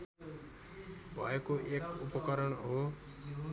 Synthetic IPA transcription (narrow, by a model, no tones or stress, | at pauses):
bʱa̰ːjkoʔeːkʊpəkəɾəɳ̃oː